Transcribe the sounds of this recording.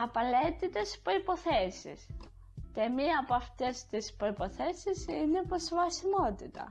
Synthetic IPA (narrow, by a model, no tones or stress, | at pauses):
ɐpɐle̞t̪it̪e̞spɾo̞ipo̞θe̞sḭs | temiɐːpoɐft̪e̞st̪ispɾo̞ipo̞θe̞sisine̞pɾozvɐsimo̞t̪it̪ɐ̰